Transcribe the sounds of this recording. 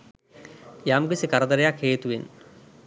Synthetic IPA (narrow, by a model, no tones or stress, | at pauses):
jamɡisikɐɾɐd̪ɐɾɐjakheːt̪uʋen